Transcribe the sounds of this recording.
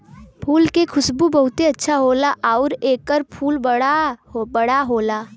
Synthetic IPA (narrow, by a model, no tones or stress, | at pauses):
pʰuːlkekʰʊsbubɐɦʊt̪eɐtːʃʰaɦoːlaʔaʊɾeːkːəɾpʰuːlbəabəɽaɦoːlaː